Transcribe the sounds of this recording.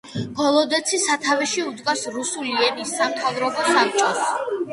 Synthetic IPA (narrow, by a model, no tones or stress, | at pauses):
ɡɔlˠɔd̪ɛt̪sʰisat̪ʰavɛʃiud̪ɡasɾusuliɛnisːamt̪ʰavɾɔbɔsap̚t͡ʃʼɔs